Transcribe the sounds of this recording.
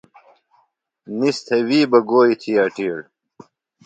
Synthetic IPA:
nist̪ʰɐwiːbɐɡoːit̪ʰiaːʈiːɽ

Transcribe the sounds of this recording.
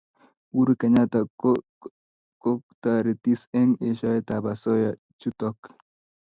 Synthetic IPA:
wuɾukeɲat̪a | kok̚t̪aɾet̪isɛŋeʃat̪abasɔja | t͡ʃut̪ɔk

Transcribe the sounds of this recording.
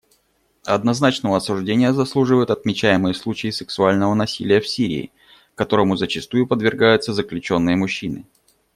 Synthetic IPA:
ɐd̪nɐznat͡ɕnəvəɐsʊʐdʲenʲɪjəzɐslˠuʐɨvəjʊt̪ɐt̪mʲɪt͡ɕæjɪmɨjəslˠut͡ɕɪɪsɨksʊalʲnəvənɐsʲilʲɪjəfsʲiɾʲɪ̰ː | kɐt̪o̞ɾəmʊzət͡ɕɪst̪ujʊpəd̪vʲɪrɡajʊt̪səzəklʲʉt͡ɕo̞nːɨjəmʊɕːinɨ̰

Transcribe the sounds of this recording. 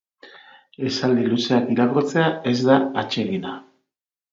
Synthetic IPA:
e̞sald̪iluse̞akiɾakot͡se̞ae̞zd̪aat͡ʃe̞ɣina

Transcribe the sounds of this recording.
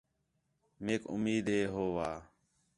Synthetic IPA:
meːkʊ̰miːd̪ʱɦeːɦoːʋaː

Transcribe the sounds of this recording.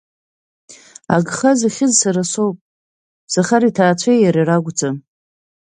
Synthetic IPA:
a̰ɡχazaχʲɪzsaɾasowpʼ | saχaɾitʰaːt͡ɕʷʰejjaɾiraɡʷd͡zʰʼa

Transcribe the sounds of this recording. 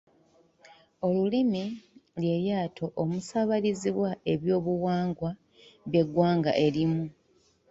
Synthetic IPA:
o̞lulimilje̞jaːtʰo̞ʔomusaβaliziβwae̞βjo̞ːβuwaːŋɡwa | βje̞ɡːwaːŋɡa̰ʔe̞limu

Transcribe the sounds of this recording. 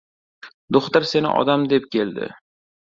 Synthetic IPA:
d̪oχt̪aɾse̞nɪ̰ʔɒ̰d̪amd̪ep̚kʲe̞ld̪ɪ̰

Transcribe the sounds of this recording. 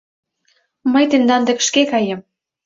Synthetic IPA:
məjt̪end̪ɑnd̪ĕkə̥ʃkekɑjə̆m

